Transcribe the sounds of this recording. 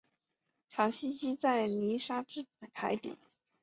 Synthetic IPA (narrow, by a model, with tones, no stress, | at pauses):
ʈ͡ʂʰɑ˧˥ŋɕi˥t͡ɕi˥t͡sa˥˩ɪni˧˥ʂa˥ʈ͡ʂɻ̩˥˩˨k̪ʰa˧˥ɪt̪ḭ˨˩˦